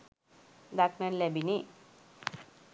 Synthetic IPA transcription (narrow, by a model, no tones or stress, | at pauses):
d̪akmɛ̃nlɛbini